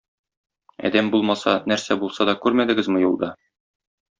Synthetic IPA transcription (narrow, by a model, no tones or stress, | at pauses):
ɒ̰d̪æmbulˠmɑsɑnæɾsæbulˠsɑd̪ɒkʉɾmæd̪ɘ̆ɡɘzmɤ̆julˠd̪ɑ